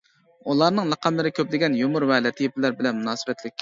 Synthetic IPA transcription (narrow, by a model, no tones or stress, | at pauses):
ulˠɑɾnɨŋlˠəqʰɑmlɪɾɪkʲʰøplɪɡʲɛnjomuɾwɛlɛt̪ʰɪjɪpɪlæɾbɪlɛnmunɑːsɨbɛt̪ʰlɪk̚ʲː